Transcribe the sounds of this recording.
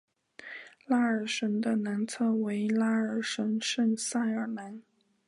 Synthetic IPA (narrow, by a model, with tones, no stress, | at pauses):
la˥ə˞˨˩ʂə˧˥nd̪ə˧na˧˥nt͡sʰɤ˥˩we˧˥ɪla˥ə˞˨˩ʂə˧˥nʂə˥˩nsa˥˩ɪə˞˨˩na˧˥n